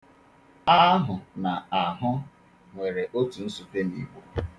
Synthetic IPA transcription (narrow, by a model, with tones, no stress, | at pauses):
a˦ɦʊ˨na˨a˨ɦʊ˦ | ŋʷe˨ɾe˨ʔo˦tu˨n̩˦su˨te˦nḭ˨ɡ͡bo˦